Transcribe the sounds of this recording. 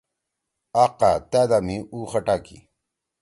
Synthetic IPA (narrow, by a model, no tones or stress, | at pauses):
aːqat̪aːd̪amiuːxɐʈaːkḭ